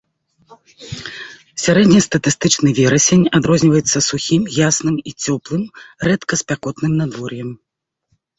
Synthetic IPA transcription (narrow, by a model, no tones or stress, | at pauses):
sʲaɾɛd̪ʲnʲɐst̪ɐt̪ɨst̪ɨt͡ʂnɨvʲɛɾɐsʲenʲad̪ɾɔzʲnʲivɐjɛt̪sːɐsuxʲimjasnɨmit͡sʲɔplˠɨmrɛt̪kɐsʲpʲakɔt̪nɨmnad̪vɔrjɛm